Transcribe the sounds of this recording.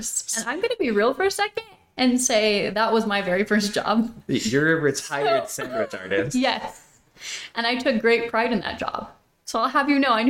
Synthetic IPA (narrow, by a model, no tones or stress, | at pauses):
sɨ̃nãɪ̃mɡʌnɨbiɹilˠfə˞ɨsɛkɨ̃nd | ɨ̃nseɪðət̚wʌzmaɪvɛɹifɜ˞s̬d̥ʒ̥ɑ̰bjə˞ɨɹɨtʰaɪə˞dsæ̃ŋwɨt͡ʃɑ̰ɹɾɨ̰jɛs | ʔɨ̃ñaɪtʰʊk̚ɡ̥ɹeɪt̚pʰɹ̥aɪɾɨ̃nðə̰t̚d̥ʒ̥ɑ̰b̥̚ | soʊaɪlˠəvjɨnoʊãɪ̃n